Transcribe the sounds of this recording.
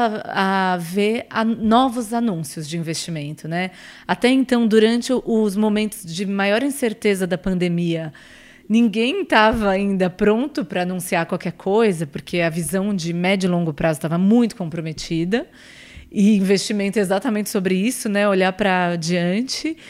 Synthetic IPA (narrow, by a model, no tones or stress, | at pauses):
avea̰nɔvʊzanũsjʊzd͡ʒɪĩvest͡ʃimẽnt̪ʊnɛ | at̪ɛẽnt̪ɐ̃w̃d̪uɾɐ̃nt͡ʃɪʔʊzmomẽnt̪ʊzd͡ʒɪmajɔɾĩseɾt̪ezɐd̪ɐpɐ̃nd̪emiɐ | nĩŋɡẽj̃t̪avɐaĩnd̪ɐpɾõnt̪ʊpɾɐanũsiaɾkwawkɛɾkʰojzɐpʊɾkʰeɐvizɐ̃w̃d͡ʒɪmɛd͡ʒʊlõŋɡʊpɾʔazʊt̪avɐmũj̃t̪ʊ̥kõpɾomet͡ʃid̪ɐ | ɪĩvest͡ʃimẽnt̪ʊezat̪ɐmẽnt͡ʃɪ̥sobɾɪisʊnɛoʎaɾpɾɐd͡ʒiɐ̃nt͡ʃɪ